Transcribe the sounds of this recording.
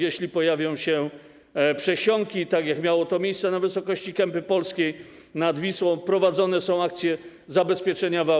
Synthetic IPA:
jɛɕlʲipɔjavʲjɔ̃w̃ɕɛ | pʂɛɕɔŋkʲit̪aɡjakmʲjawɔt̪ɔmʲejssɛnavɘsɔkɔɕt͡ɕikɛmpɘpɔlskʲej | nad̪vʲiswɔ̃w̃pɾɔvad̪zɔnɛsɔ̃w̃ak̚t̪sʲjɛ | zabɛspʲjɛt͡ʂɛɲava

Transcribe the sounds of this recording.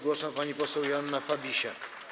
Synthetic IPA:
ɡwɔsampaɲipɔsɛwjanːafabʲiɕak

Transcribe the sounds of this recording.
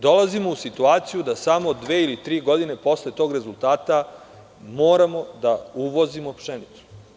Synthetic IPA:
d̪o̞lazimo̞usit̪uaːt̪sijud̪asamo̞d̪ʋeːilit̪ɾiːɡo̞d̪ine̞po̞sle̞t̪o̞ːɡɾe̞zulˠt̪aːt̪a | moːɾamo̞d̪auʋo̞zimopʃenit̪su̥

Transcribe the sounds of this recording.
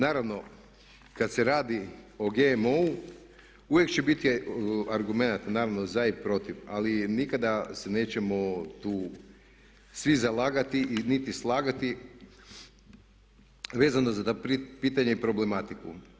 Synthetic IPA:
naːɾaʋno̞ | kat̪seɾaːd̪io̞ɡemou | uʋjekt͡ɕebit̪iaɾɡume̞nat̪naːɾaʋno̞zaipɾo̞t̪iʋa̰linikad̪asene̞ːt͡ɕemo̞t̪uː | sʋizalˠaːɡat̪iʔinit̪islˠaːɡat̪i | ʋeːzanozat̪opipiːt̪aɲeipɾo̞ble̞mat̪ikṵ

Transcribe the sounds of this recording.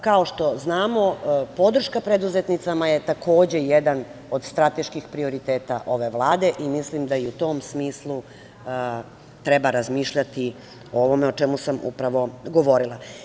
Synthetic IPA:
kao̞ʃt̪o̞znaːmo̞po̞d̪ɾ̩ʃkapɾed̪uzet̪nit̪samaje̞t̪ako̞ːd͡ʑe̞jed̪anod̪st̪ɾat̪e̞ʃkixpɾio̞ɾit̪eːt̪aʔo̞ʋe̞ʋlˠaːd̪e̞ʔimislimd̪aiut̪omsmiːslˠu | t̪ɾɛbaɾazmiːʃʎat̪i | ooʋo̞meo̞t͡ʃemusamṵpɾaʋo̞ɡo̞ʋo̞ɾilˠa

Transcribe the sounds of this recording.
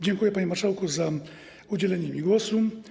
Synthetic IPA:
d͡ʑɛŋkujɛpaɲimaʂawkɔza | ud͡ʑɛlɛɲɛmʲiɡwɔsu

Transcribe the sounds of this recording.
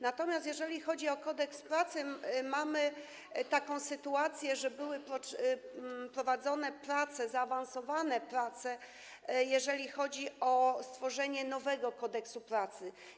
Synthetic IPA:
nat̪ɔmʲjast̪̬ʲjɛʐɛlʲixɔd͡ʑiɔkɔd̪ɛkspɾat̪sɘmamɘ | t̪akɔ̃w̃sɘt̪uat̪sʲjɛʐɛbɘwɘpɾɔ | pɾɔvad̪zɔnɛpɾat̪sɛzaːvansɔvanɛpɾat̪sɛ | jɛʐɛlʲixɔd͡ʑiɔst̪fɔʐɛɲɛnɔvɛɡɔkɔd̪ɛksupɾat̪sɘ

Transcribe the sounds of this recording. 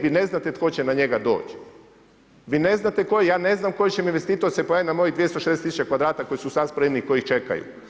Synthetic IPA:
ʋineznat̪et̪ko̞t͡ɕenaɲe̞ɡad̪o̞̰ːt͡ɕ | ʋiːne̞znat̪eko̞jejaːne̞znamko̞jet͡ɕeminʋest̪iːt̪oɾsepojaːjinamo̞jid̪ʋie̞st̪oʃed̪eet̪isut͡ʃt͡ɕekʋad̪ɾaːt̪ako̞jisusaspɾemniko̞jixt͡ʃe̞ka̰jṵ

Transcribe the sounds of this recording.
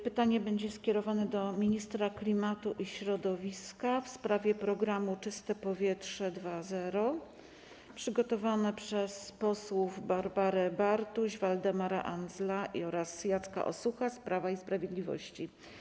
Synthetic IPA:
pɘt̪aɲɛbɛɲd͡ʑɛskʲɛɾɔvanɛd̪ɔmʲiɲist̪ɾaklʲimat̪uʔiɕɾɔd̪ɔvʲiskafspɾavʲjɛpɾɔɡɾamut͡ʂɘst̪ɛpɔvʲjɛtʂɛd̪vazɛɾɔ | pʂɘɡɔt̪ɔvanɛpʂɛspɔswuvbaɾbaɾɛbaɾt̪uʑvald̪ɛmaɾa̰ʔanzlaʔḭɔɾasjat̪ska̰ʔɔ̰suxaspɾavaispɾavʲjed̪lʲivɔ̰ɕt͡ɕi

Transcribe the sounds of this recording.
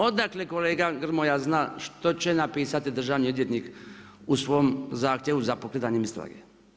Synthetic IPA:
o̞d̪akleko̞leːɡaɡr̩mojaznaːʃt̪o̞t͡ɕe̞napiːsat̪id̪r̩ʒaʋniod̪jet̪nik | usʋoːmzaːxt̪ʲje̞ʋuzapokɾet̪aɲemist̪ɾa̰ːɡḛ

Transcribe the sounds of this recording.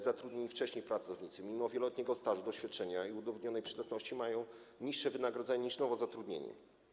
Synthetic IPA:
zat̪ɾud̪ɲeɲift͡ʂɛɕɲejpɾat̪sɔvɲit̪sɘmʲimɔvjɛlɔt̪ɲɛɡɔst̪aʐud̪ɔɕfʲjat̪̚t͡ʂɛɲaiud̪ɔvɔd̪ɲɔnɛjpʂɘd̪at̪nɔɕt͡ɕimajɔ̃w̃ | ɲiʂːɛvɘnaɡɾɔd̪zɛɲaɲiʂnɔvɔzat̪ɾud̪ɲḛɲɛ̰

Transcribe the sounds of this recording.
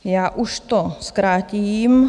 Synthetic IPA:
jaːʔuʃt̪oskɾaːtiːm

